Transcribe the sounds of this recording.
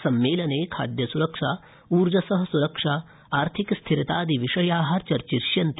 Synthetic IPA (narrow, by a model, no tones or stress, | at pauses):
sɐmːeːlɐneːkʰa̰ːd̪jɐsuɾɐkʂaː | uːɾd͡ʒɐsɐɦɐ̆suɾɐkʂaː | aːɾt̪ʰikst̪ʰiɾit̪aːd̪iʋiʂɐjaːɦɐɾt͡ʃɐɾt͡ʃiɾʃjɐnt̪